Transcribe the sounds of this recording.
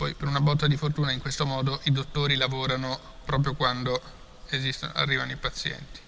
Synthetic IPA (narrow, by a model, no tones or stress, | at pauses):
pɔjpeɾunabɔt̪ːad̪ifort̪uːnaiŋkwest̪omɔːd̪oʔid̪ot̪ːoːɾilavoːɾano | pɾɔːp̬ɾjokwand̪o | ezist̪o̰n̰a̰rːiːvanoipat̪sːjɛ̰nt̪i̥